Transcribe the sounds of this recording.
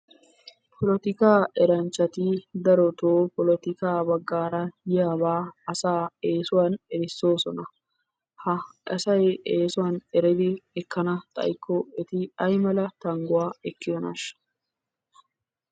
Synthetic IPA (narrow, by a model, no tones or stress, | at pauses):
pʰɔlɔt̪ɪkaːʔɛɾɐnt͡ʃːɐt̪ɪd̪ɐɾɔt̪oːpɔlɔt̪ɪkaːbɐɡːaːɾɐjɪjaːbaːɐsaːeːsʊwanɛɾɪsːoːsɔnɐ | hɐɐsɐjeːsʊwaːnɛɾɛd̪ɪɛkːɐnɐt̪ʼɐ̰jɪkːɔɛt̪ɪɐjmɐlɐt̪ɐŋɡʊwaːɛkːɪɔnɐ̰ʃɐ̥